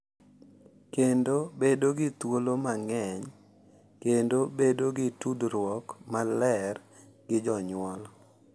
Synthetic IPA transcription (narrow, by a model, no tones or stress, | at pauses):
kendobedoɡɪt̪wolomaŋɛɲ | kendobedoɡɪtudɾwɔkmalɛr | ɡ̥ɪd͡ʒɔɲwɔl